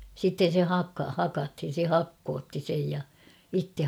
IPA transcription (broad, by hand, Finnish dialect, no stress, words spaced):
sitːen̞ se hɑkːɑ hɑkɑthin̞ se hɑkːoːtːi sej jɑ itːe